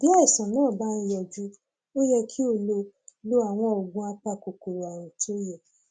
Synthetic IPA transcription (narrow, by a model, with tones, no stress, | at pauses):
b̥i˦a˦ɛ˨sã˨nãː˦˨ba˦n̩˧jɛ˨d͡ʒu˦ | o˦jɛ˧kʰi˦o˦˧˨lo˧ | lo˦a˨w̃ɔ̃˧ɔ˨ɡũ˦a˧k͡pa˧˨ko˨ko˨ɾo˨a˨ɾũ˨to˦jɛ˨